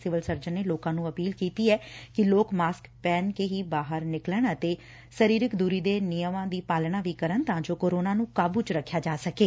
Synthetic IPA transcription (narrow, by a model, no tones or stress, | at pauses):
sɪʋəlsəɾd͡ʒənːeːloːkãːnũːəpiːlkiːt̪iːɛːkɪloːkmaːskpɛːnkeːɦiːbaːɦəɾnɪkləɳət̪eː | səɾiːɾɪkd̪uːɾiːd̪eːnɪjəmãːd̪iːpaːlnaːʋiːkəɾənt̪ãːd͡ʒoːkoːɾoːnaːnũːkaːbuːt͡ʃɾəkʰːjaːd͡ʒaːsəkeː